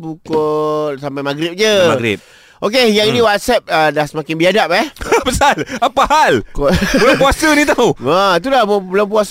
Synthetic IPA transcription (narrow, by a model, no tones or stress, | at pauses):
bukɔt̪̚sampajmaɡɾɪp̚d͡ʒəmaɡɾḭp̚ | ʔokejaŋinĩwat̪̚sɛp̚ədahsəmakɪnbiadap̚ɛhabəsalapahalkɔbəlampuasənĩt̪auat̪̬ulabulampuas